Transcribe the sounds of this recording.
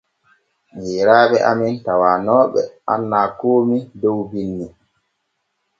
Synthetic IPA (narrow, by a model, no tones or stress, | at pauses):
ɲɛːɾaːɓɛʔamɛntawaːnɔːɓɛ̰a̰nːaːkoːmidɔwbinːi